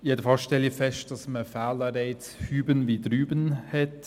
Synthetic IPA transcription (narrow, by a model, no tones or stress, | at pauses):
jɛdəfɑlsʃtɛlifɛst̚d̥ɑsməfaːləɾeɪt͡shyːbənvidɾyːbənhɛt